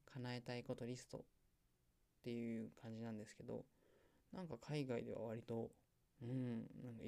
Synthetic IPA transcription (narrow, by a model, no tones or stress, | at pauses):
kʰanae̞t̪aiko̞t̪o̞ɾʲisɨ̥t̪o̞̰ | t̪ːe̞jɯ̟ːkʰãɲ̟d͡ʑinãnd̪e̞sɨ̥ke̞d̪o̞̰ | nãŋkakʰaiɡaid̪e̞βa̰β̞aɾʲit̪o̞ | ɯ̟̃ɴnãŋka